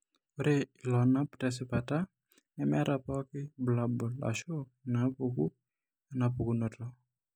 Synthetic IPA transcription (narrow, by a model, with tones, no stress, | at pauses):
o˦ɾe˦i˨lɔ˨na˦ptɛ˦s̬ɪ˦pa˨ta˦ | nɛ˦mɛ˦ɾʔa˨pɔ˦kɪ˦bla˨bɔ˨la̰˨ʃo˦ | na˨˦ku˨k̬u˦ | a˨na˨pu˨ku˨nɔ˨tɔ˦